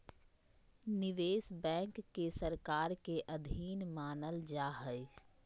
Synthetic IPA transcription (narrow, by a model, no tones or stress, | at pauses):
nɪʋeːsbɛ̃ːŋkːesəɾkaːɾkeʔəd̪ʱiːnmaːnəld͡ʒaːɦəɪ